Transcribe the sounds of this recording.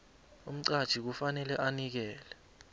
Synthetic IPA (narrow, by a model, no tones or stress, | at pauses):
um̩ǀad̥ʒ̥ʱik̬ufanɛlɛʔanik̬ɛːlɛ